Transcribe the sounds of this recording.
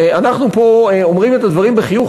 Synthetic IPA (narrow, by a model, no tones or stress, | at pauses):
anaχnupo̞eomʁime̞t̪ad̪vaʁimbeχijuχ